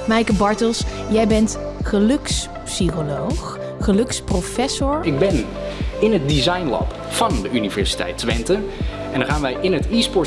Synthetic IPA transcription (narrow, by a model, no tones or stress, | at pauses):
mɛjkəbɑɹtəlˠsjɛjbɛntχəlɵks | psikolowχ | χəlɵksprofɛsʊɹɪɡ̚bɛn | ɪnɦət̚dizɑjnlɑ̰p | fɑndəʔynivɛɹsi̥tɛ̰jtʋɛntən | ɛndaχaːnʋɛjɪnətispɔɹ